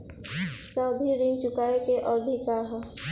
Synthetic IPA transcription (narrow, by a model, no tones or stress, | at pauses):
saʊd̪ʱiɾiŋt͡ʃʊkaːekeʔɔɾd̪ʱikaɦ